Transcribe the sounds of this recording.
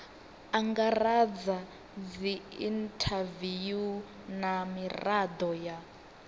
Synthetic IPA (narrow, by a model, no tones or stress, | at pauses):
aŋɡarad͡za | d͡ziintʰaviju | namirad̪ɔja